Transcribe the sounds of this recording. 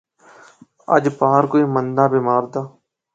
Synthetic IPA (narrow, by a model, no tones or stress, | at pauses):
ə̰d͡ʒpaːɾkoːiːmənd̪aːbɪmaːɾd̪aː